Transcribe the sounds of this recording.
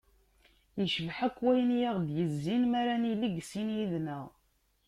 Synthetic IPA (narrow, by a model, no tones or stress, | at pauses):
jəʃvħækːwæjənjaʁd̪jəzːinmæɾæniliɡsinjiðnæʁ